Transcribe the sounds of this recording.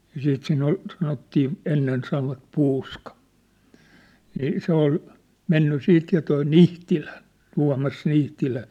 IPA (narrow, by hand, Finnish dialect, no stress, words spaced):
jɑ siːt siːn ol sɑnotːiː enːen sɑnoʋɑt puːskɑ niː se ol menːy siːt jɑ toi nihtilæ tuɑ̝mɑs nihtilæ